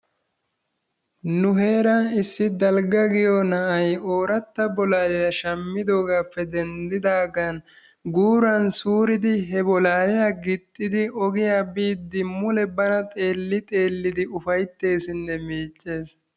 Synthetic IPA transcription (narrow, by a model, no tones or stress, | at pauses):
nʊɦe̞ːɾɐnɪsːɪd̪ɐlɡɐɡɪjɔnɐʔɐjoːɾɐt̪ːɐbɔlaːjɛjɐʃɐmːɪd̪o̞ːɡaːpʰːɛd̪ɛnd̪ɪd̪aːɡɐn | ɡuːɾɐnsuːɾɪd̪ɪɦɛbɔlaːjɛjaɡɪt̪ʼːɪd̪ɪɔɡɪjaːbiːd̪ːɪmʊlɛbɐnɐt̪ʼe̞ːlːɪt̪ʼe̞ːlːɪd̪ɪʊfɐjt̪ːe̞ːsɪnːɛmiːt͡ʃʼːe̞ːs